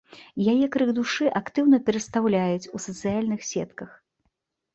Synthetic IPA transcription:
jajɛkɾɨɣd̪uʂɨʔakt̪ɨwnɐpʲɛɾɐt̪st̪awlʲajut͡sʲusɐt̪sɨjalʲnɨxsʲɛ̰t̪kɐx

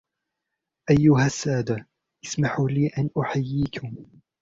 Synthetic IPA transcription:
ʔajːʊɦasːaːd̪a | ʔɪsmaħuliːʔanʔʊħajːiːkʊm

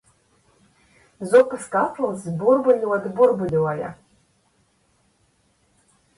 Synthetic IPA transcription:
zopʰɨskʼatʰalzburbɨlʲwadburbɨlwaja̰

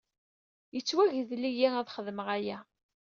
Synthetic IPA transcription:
jət͡sːwæʝðlːijæŋæðχəðməʁæjæ

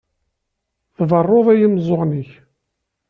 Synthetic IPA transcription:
θvərˤːoðˤæjəmzˤoʁniç

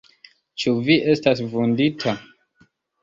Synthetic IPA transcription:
t͡ʃuviʔe̞stasvunditʰa

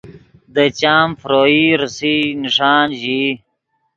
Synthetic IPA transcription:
d̪ət͡ɕaːmfɾoːiːɾusiniʂaːnʑi

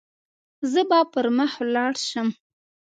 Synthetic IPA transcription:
zəbɑpəɾməxlɑɽʃəm

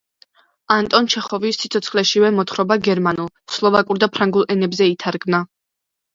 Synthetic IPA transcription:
ant̪ʼɔnt͡ʃʰɛχɔvisːit̪sʰɔt̪sʰχlɛʃivɛmɔt̪χɾɔbaɡɛɾmanulˠslˠɔvakʼuɾd̪apʰɾaŋɡulˠʔɛnɛbzɛit̪ʰaɾɡmna

